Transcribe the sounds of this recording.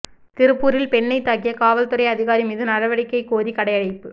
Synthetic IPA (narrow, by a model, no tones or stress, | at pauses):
t̪ɪɾɯpːuːɾɪlpɛɳːɐɪt̪ːaːkɪjɐkaːʋɐlt̪ɯɾɐɪɐðɪɣaːɾimiːðɯnɐɾɐʋɐɽɪkːɐɪkoːɾikɐɽɐɪjɐɽɐɪpːɯ